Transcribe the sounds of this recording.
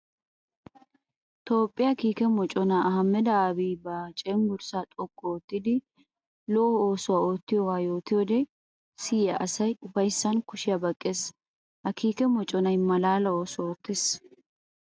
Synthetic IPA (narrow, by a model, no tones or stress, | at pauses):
t̪o̞ːpʼːɪjɐkiːkɛmɔt͡ʃʼɔnaɐhɐmːɛd̪ɐaːbiːbɐt͡ʃʼeːnɡʊɾsaːt̪ʼɔkʼːɔɔːt̪ːɪd̪ɪ | loːho̞ːsʊwaːoːt̪ːɪjɔwaːjo̞ːt̪ɪjɔd̪ɛ | siːɐʔɐsɐjʊfɐjsːɐnkʊʃɪjɐbɐkʼːeːs | hɐkiːkɛmɔt͡ʃʼɔnɐjmɐlaːlɐoːsʊoːt̪ːes